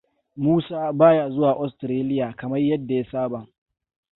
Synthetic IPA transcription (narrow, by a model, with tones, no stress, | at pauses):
muː˦saː˦baː˦jaː˨zʊ˦waː˨ʔɔ˦stɾeː˦lɪ˦jaː˨kɐ˨mɐ˦rjɐ˦dːa˨ja˦saː˦ba˨